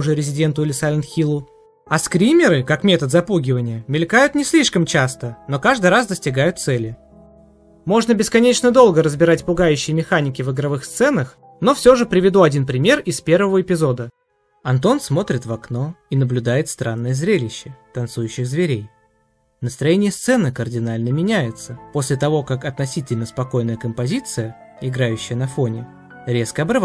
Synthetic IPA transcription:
ʊʐɨɾʲɪzʲɪdʲe̞nt̪ʊɪlʲɪsalʲɪnxʲilˠʊ | ɐskɾʲimʲɪɾɨkakmʲe̞t̪ət̪zɐpuɡʲɪvənʲɪjəmʲɪlʲkajʊt̪nʲɪsʲlʲiʂkəmt͡ɕast̪əno̞kaʐd̪ɨjɾasd̪əsʲtʲɪɡajʊt̪t̪sɛlʲɪ | mo̞ʐnəbʲɪskɐnʲet͡ɕnəd̪o̞lˠɡəɾəzbʲɪɾatʲpʊɡajʉɕːɪjmʲɪxanʲɪkʲɪvɨɡɾɐvɨxst̪sɛnəx | no̞fsʲo̞ʐɨpɾʲɪvʲɪd̪uɐdʲinpɾʲɪmʲe̞rɪspʲe̞rvəvəɪpʲɪzo̞d̪ə | ɐnt̪̬o̞nsmo̞t̪ɾʲɪt̪vɐkno̞inəblʲʊd̪ajɪt̪st̪ɾanːəjəzɾʲelʲɪɕːət̪ɐnt̪sujʉɕːɪxzvʲɪɾʲej | nəst̪ɾɐjenʲɪjəst̪sɛnɨkərdʲɪnalʲnəmʲɪnʲæjɪt̪səpo̞sʲlʲɪt̪ɐvo̞kakɐt̪nɐsʲitʲɪlʲnəspɐko̞jnəjəkəmpɐzʲit̪sɨjə | ɪɡɾajʉɕːɪjənɐfo̞nʲɪ | ɾʲe̞skəɐbɾɨv

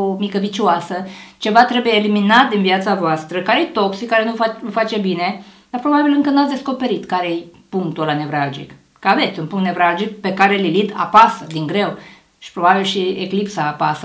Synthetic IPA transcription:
omikəvit͡ʃuasət͡ʃe̞vat̪ɾe̞bujeːliminat̪̚d̪inviat̪savoast̪ɾəkaɾejt̪o̞ksikaɾe̞nufafat͡ʃe̞bine̞d̪̥aɾpɾo̞babilɨŋkənuat̪sʲd̪esko̞pe̞ɾit̪kaɾejpuŋkt̪olane̞vɾald͡ʒḭk | kəave̞t̪sʲunpuŋkt̪ne̞vɾald͡ʒik̚pe̞kaɾe̞lilit̪a̰pasəd̪iŋɡɾe̞w | ʃi̥pɾo̞babilʃieklipsaːpasə

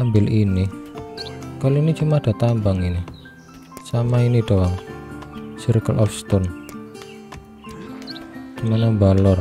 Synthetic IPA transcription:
ambɪlini | kaloinit͡ʃumahɖ̥a̤t̪anbaŋina | samainiɖawaŋ | siɾkəlʔɔfst̪ɔn | dumanambalɔr

